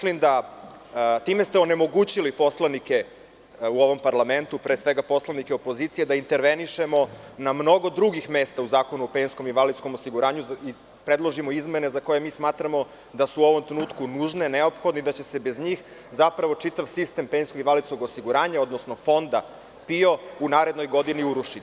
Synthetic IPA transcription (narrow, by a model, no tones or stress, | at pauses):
mislimd̪a | t̪iːme̞st̪eone̞mo̞ɡuːt͡ɕilipo̞slˠanike | uo̞ʋo̞mpaɾlame̞nt̪upɾeːsʋeɡapo̞slˠanikeopo̞ziːt̪ijed̪aint̪e̞ɾʋeniʃe̞mo̞namno̞ɡo̞d̪ɾuɡixme̞ːst̪auzaːko̞nuopeːnsko̞miʋalit̪sko̞mosiɡuɾaːɲui | pɾe̞d̪lˠo̞ʒimoizmenezako̞je̞miːsmaːt̪ɾamo̞ | d̪asuːo̞ʋomt̪ɾenuːt̪kunuːʒne̞neo̞pxod̪nid̪at͡ɕe̞se̞be̞zɲiːx | zapɾaʋo̞t͡ʂit̪aʋsist̪e̞mpejnskoɡinʋalid̪sko̞ɡosiɡuɾaːɲao̞d̪nosnofo̞nd̪a | pio̞unaːɾe̞d̪no̞jɡo̞d̪iniuɾuʂit̪i̥